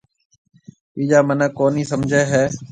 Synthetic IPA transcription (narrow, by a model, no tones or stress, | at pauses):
iːd͡ʒaːmənəkoːniːsəmd͡ʒʱeːɦɛː